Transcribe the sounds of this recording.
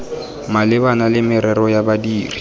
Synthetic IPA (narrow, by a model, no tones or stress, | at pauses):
malɪbanalɪmɪɾɛɾɔjabadiːri